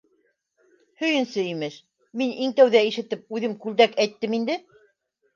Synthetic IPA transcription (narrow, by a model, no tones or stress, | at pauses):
hɵ̆jɘ̆nsɘimɘʃ | miniŋt̪æwðæiʃɘ̆t̪ɘp̚ʉðɘmkʉld̪ækæjt̪ːɘmind̪ɘ